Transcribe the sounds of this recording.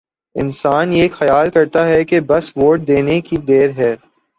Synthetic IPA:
ɪ̰nsaːnjeːxɐjaːlkɐɾt̪aɦɛkebɐsʋoːʈ̚d̪eːnekid̪eːɾɦɛː

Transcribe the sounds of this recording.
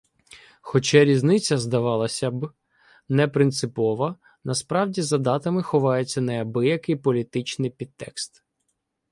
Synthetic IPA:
xɔt͡ʃɛɾʲiznɪt͡sʲːɐzd̪ɐʋɑlˠɐsʲɐb | nɛpɾɪnt̪sɪpɔʋɐ | nɐspɾɑwdʲizɐd̪ɑt̪ɐmɪxɔʋɑjet͡sʲːɐnɛɐbɪjɐkɪjpɔlʲit̪ɪt͡ʃnɪjpʲid̪̚t̪ːɛ̰kst̪

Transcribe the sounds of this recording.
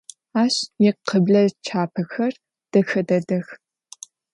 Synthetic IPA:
aːɕjɛqəbɮɐt͡ʃʰaːpʰɐxɐr | d̥ɐxɐdɐdɐx

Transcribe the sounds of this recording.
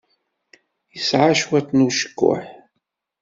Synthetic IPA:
isʕaʃwat̪nuʃkʷːʊ̰ħ

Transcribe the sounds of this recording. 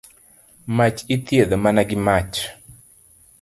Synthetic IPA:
mat͡ʃit̪jed̪omanaɡɪmat͡ʃ

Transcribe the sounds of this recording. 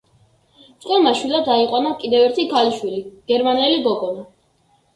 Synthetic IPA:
sʼqʼwɛlˠmaʃwilˠad̪aiqʼɔnakʼid̪ɛvɛɾt̪ʰikʰaliʃwiliɡ̥ɛɾmanɛliɡɔɡɔla

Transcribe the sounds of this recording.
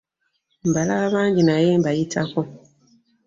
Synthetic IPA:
m̩balaβaːɲɟinajeːmbajitʰako̞

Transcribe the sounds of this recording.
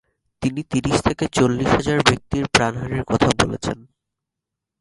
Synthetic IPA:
t̪init̪iɾiʃt̪ʰeket͡ɕolːiʃɦad͡ʑaɾbek̚t̪iɾpɾanɦaɾiɾkɔt̪ʰabolḛt͡ɕʰen

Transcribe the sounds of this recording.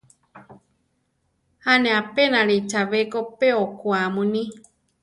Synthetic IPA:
hanẽapenaɺit͡ʃaβekopeokwamunĩ

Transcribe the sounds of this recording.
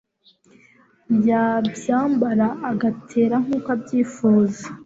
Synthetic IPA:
jabjaːmbaɾaʔːɡatʰeːɾaŋ̥uːkabjiːfuːzḁ

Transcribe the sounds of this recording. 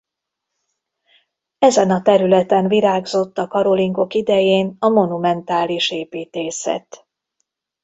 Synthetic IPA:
ɛzɛnɒt̪ɛɾylɛt̪ɛnviɾaːɡzo̞t̪ːɒkɒɾo̞liŋɡo̞kid̪ɛjeːnɒmo̞numɛnt̪aːliʃeːpiːt̪eːsɛ̰t̪

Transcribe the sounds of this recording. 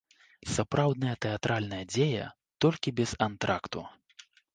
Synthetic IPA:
sapɾawd̪̚nɐjɐt̪ɛat̪ɾʔalʲnɐjɐd͡zʲejɐ̰ | t̪ɔlʲkʲibʲɛzant̪ɾakt̪u

